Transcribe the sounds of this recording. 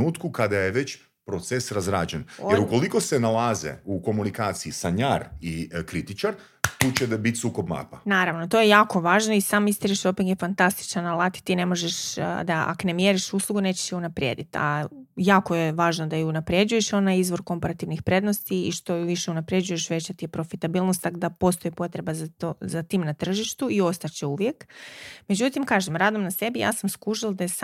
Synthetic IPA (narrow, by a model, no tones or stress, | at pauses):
uːt̪kukad̪ajeʋe̞t͡ɕ | pɾot̪sesɾazɾa̰ːd͡ʒenojeɾuko̞liko̞senalaːzḛuko̞munikaːt̪siisaɲaːɾikɾit̪it͡ʃaɾ | t̪uːt͡ɕebit̪ʲsuːko̞bma̰ːpanaːɾaʋnot̪o̞jejaːko̞ʋaːʒno̞isaːmist̪eɾiʃopiŋɡjefant̪ast̪i̥t͡ʃanalˠat̪i̥t̪ine̞mo̞ʒeʃd̪aʔa̰kne̞mjeɾiʃuslˠuɡuneːt͡ɕe̥ʃjeunapɾjḛːd̪it̪a̰jaːko̞jeʋaːʒnod̪aeunapɾje̞d͡ʒuje̞ʃonajizʋo̞ɾko̞mpaɾat̪iʋnixpɾe̞d̪nost̪iiʃt̪o̞ʋiʃeunapɾe̞d͡ʑujeʃʋe̞t͡ɕat̪ijepɾo̞fit̪abiːlˠnost̪akd̪apo̞st̪o̞jipo̞t̪ɾe̞bazat̪ozat̪iːmnat̪r̩ʒiʃt̪uio̞st̪at͡ɕeuʋjekme̞d͡ʑut̪imkaːʒemɾaːd̪o̞mnase̞bija̰ːsamskuʒild̪ajes